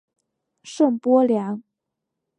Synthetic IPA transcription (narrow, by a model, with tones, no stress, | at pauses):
ʂɤ˥˩ŋpwɔ˥ljɑ˧˥ŋ